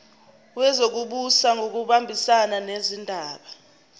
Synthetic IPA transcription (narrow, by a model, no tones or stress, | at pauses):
wɛzok̬uɓusaŋʱok̬uɓambʱisananezindʱaːɓa